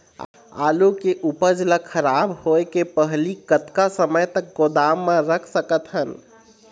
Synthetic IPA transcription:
a̰ːlukeʔupəd͡ʒləkʰːəɾabɦoekepəɦlikət̪kasəməjt̪ək̚ɡod̪amːãɾəkʰsəkət̪ɦən

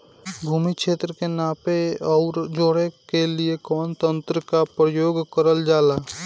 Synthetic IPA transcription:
bʱuːmikʃeːt̪ɾəkenaːpeɔːɾd͡ʒoːɽekeliekɔːnt̪ə̃nt̪ɾəkapɾəjoːɡkəɾəld͡ʒaːlaː

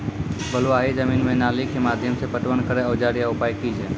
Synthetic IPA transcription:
bʱəloaːɦid͡ʒəminmẽnaːlikemaːd̪ʱjəmsepəʈʋənkəɾeəʋd͡ʒaːɾijaʊpaːjkid͡ʒʰe

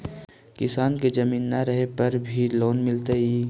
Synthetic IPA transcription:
kɪsaːnked͡ʒɐmiːnːaɾəɦepɐɾbʱiloːnmɪlt̪eiː

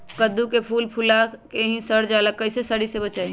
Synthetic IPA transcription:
kəd̪ːukepʰulpʰulakeɦĩsəɾd͡ʒalək̚kːəɪsesəɽisebət͡ʃa

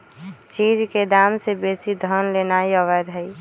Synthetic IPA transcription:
t͡ʃid͡ʒked̪amsebesid̪ʱənlenaiəʋɛd̪ɦəi

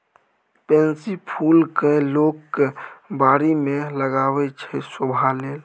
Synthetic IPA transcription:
pɛ̃nsipʰuːlkəlokː | baɾimeləɡaːwɛt͡ʃʰɛsobʱaleːl

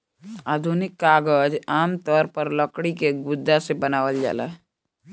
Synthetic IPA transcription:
aːd̪ʱunɪkːaːɡəd͡ʒaːmt̪ɔːɾpəɾləkɽikeɡʊd̪ʱːasebənaːʋəld͡ʒa̰ːla̰ɦ

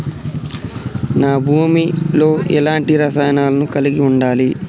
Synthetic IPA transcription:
naːbʱuːmilo̞ːʔɛlaːɳʈiɾɐsaːjɐnaːlɐnukɐliɡiuɳɖaːli

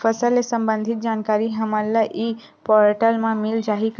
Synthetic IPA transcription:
əsəlesə̃mbə̃nd̪ʱit̪̚d͡ʒaːnkaːɾiɦəmələʔiː | pɔɾʈəlmãmɪld͡ʒaːɦik

